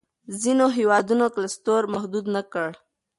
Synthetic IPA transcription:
zinoɦewɑd̪unoklast̪oɾmahd̪ud̪nakəɽ

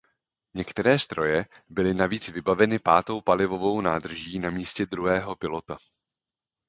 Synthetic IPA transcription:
ɲɛkt̪ɛɾɛːst̪ɾʔo̞jɛ | bɪlɪnaviːt͡svɪbavɛnɪpaːt̪o̞wpalɪvo̞vo̞wnaːd̪r̩ʒiːnamiːscɛd̪ɾuɦɛːɦo̞pɪlo̞t̪a

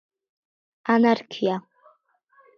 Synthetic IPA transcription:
anarkʲʰija

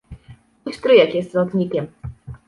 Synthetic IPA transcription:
ujst̪ɾɘjɛkjɛst̪zɔt̪ɲʲikʲɛm

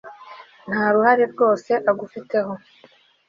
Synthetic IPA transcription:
n̥haːɾuhaɾeɾɡo̞ːse̞ʔaɡufite̞ho̞

